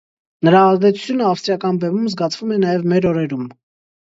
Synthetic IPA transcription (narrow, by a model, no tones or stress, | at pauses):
nəɾɑːzd̪ɛt͡sʰu̥t͡sʰjunəɑfst̪ɾijɑkɑnbɛmumzɡɑt͡sʰvumɛnɑjɛvmɛɾɔɾɛɾum